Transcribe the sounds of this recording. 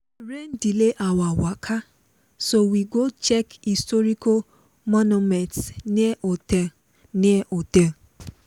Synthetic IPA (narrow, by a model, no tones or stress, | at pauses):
ɾen̩dileʔawawakʰa | sowiɡot͡ʃɛkistɔɾiko | mɔnumɛ̃ntsnote | niʔotẽ